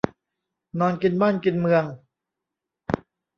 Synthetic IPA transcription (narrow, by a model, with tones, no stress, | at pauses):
nɔː˧nki˧nbaː˥˩nki˧nmɯ˧əŋ